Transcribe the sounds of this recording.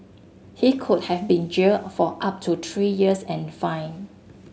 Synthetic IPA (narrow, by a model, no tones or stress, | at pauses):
hikʰut̚hɛvbĩnd͡ʒəfɔʔap̚tʰut̪ʰɹijiəsɛ̃nfãj̃n